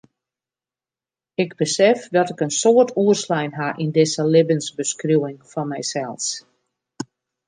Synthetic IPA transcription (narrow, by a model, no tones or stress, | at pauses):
ɪɡbəsɛfdɔtɪkənsoərtʰuərslɛjnɦaʔindɪsəlɪbənsbəskruwɪŋfɔnmɛjsɛlˠs